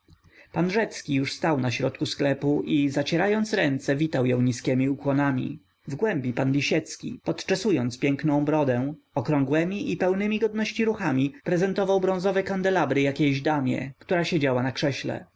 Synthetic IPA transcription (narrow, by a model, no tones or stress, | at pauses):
panʐɛt̪skʲijuʂst̪awnaɕɾɔt̪kusklɛpuʔizat͡ɕɛɾajɔnt̪sɾɛnt̪sɛvʲit̪awjɔ̃w̃ɲiskʲɛmʲiukwɔnamʲḭ | vɡwɛmbʲipanlʲiɕɛt̪skʲḭpɔt̪t͡ʂasujɔnt̪spʲjɛŋknɔ̃w̃bɾɔd̪ɛ | ɔkɾɔ̃ŋɡwɛmʲiʔipɛwnɘmʲiɡɔd̪nɔɕt͡ɕiɾuxamʲipɾɛzɛnt̪ɔvawbɾɔ̃w̃zɔvɛkand̪ɛlabɾɘjakʲeʑd̪amʲjɛ̰kt̪uɾaɕed͡ʑawanakʂɛɕlɛ̰